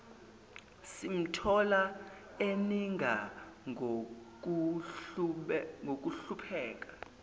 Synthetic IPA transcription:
sim̩tʰɔla | eniŋʱa | ku | ŋʱok̬uɬupʰɛːk̬ʼḁ

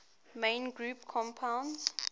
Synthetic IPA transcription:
mẽɪnɡɹupkʰɔ̃mpʰãwns

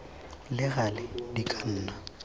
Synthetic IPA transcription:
lɪɣalɪdikʼan̩ːna

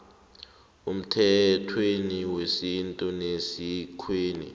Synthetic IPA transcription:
um̩tʰɛtʰweniwesintʼunesikʰweːnḭ

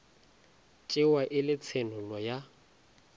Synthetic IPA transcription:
t͡ʃʼɪwaʔɪlɪt͡sʰenʊlɔja

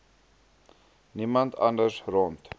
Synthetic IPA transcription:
nimɐnt̪ʰɐ̰ndəsront̪

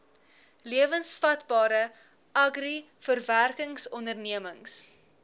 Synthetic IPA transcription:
liəvənsfɐtbɑːɾə | ɐɡri | fərværkəŋsɔndərniəməŋs

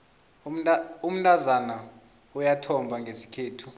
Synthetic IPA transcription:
um̩ntʼazana | ujatʰɔmbʱaŋɡʱesi̥kʰeːtʰu

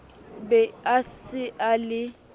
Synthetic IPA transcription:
bɛasɪʔalɪ

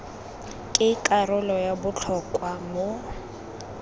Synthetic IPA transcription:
kʼɪikʼarʊlɔjabʊt͡ɬʰɔkʼwamo

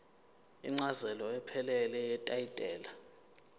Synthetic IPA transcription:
ḭŋ͡ǀazɛlɔɛpʰɛlɛlɛjɛtʼaitʼɛːla

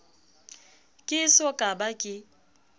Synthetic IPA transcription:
kʼɪsɔkʼabakʼɪ

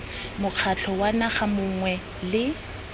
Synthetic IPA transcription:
mʊq͡χʰat͡ɬʰɔwanaχamʊŋwɛ | lɪ

